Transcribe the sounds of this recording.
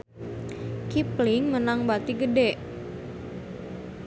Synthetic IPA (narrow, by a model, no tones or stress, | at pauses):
kipliŋmənaŋbat̪iɡədɛʔ